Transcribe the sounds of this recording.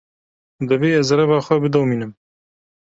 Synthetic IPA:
d̪ɨveːɛzɐɾɛvaːxʷɛbɨd̪ɐwmiːnɨm

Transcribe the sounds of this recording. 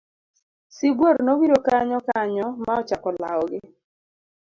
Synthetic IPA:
siɡwoɾnowiɾokaɲɔkaɲɔmaɔt͡ʃakɔla̰ɔɡɪ

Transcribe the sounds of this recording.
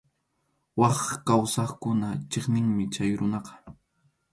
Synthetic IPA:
wɑχkawsɑχkʊnat͡ʃeχnɪŋmɪt͡ʃajɾʊnɑqɑ̥

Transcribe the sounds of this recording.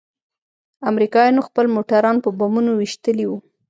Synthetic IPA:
amɾikɑjɑnoxpəlmoʈaɾɑnpəbamunowiʃt̪əliwu

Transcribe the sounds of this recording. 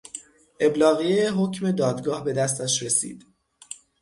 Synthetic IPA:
ʔe̞blɒːɣieeɦocʰme̞d̪ɒːd̪ɡɒːhbe̞d̪æs̬t̪æʃɾe̞sḭːd̪̥

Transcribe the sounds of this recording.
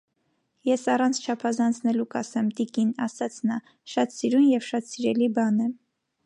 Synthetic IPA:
jɛsɑrɑnt͡sʰt͡ʃʰɑpʰɑzɑnt͡sʰnɛlukɑsɛmt̪ikinɑ̰sɑt͡sʰnɑ | ʃɑt̪siɾunjɛvʃɑt̪siɾɛlibɑnɛ

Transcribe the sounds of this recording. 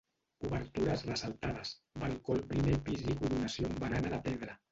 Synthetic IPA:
uβeɾt̪uɾazrəsalˠt̪aðasbalkolpɾimejpizikuɾunasjombaɾanalapɛðɾa

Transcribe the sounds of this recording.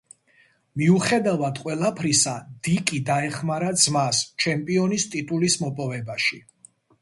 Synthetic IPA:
miuχɛd̪avad̪qʼwɛlˠapʰɾisad̪̥ikʼid̪aɛχmaɾad̪z̥mast͡ʃʰɛmpʼiɔnist̪ʼit̪ʼulismɔpʼɔvɛbaʃi

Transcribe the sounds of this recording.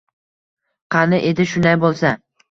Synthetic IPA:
qʰɑnɪʔed̪ɪʃʊnd̪ajbolˠsa

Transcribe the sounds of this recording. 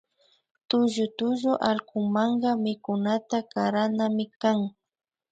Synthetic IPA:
t̪ʊʒʊt̪ʊʒʊʔalkʊŋmaɴɢɑmɪkʊnat̪akaɾanamɪkaŋ

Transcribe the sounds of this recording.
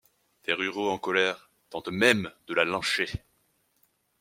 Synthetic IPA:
t̪eʁyʁoɑ̃kɔlɛʁ | t̪ɑ̃t̪mɛmd̪̥əlalɑ̃ʃe

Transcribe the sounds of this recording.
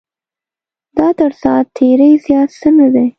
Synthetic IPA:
d̪ɑd̪aɽsɑt̪ʰːeɾəjzjɑt̪sənad̪e

